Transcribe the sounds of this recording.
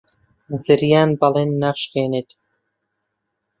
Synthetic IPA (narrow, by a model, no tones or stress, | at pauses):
zɨɾjaːnbɑleːnːaʃqeːneːt̪ʰ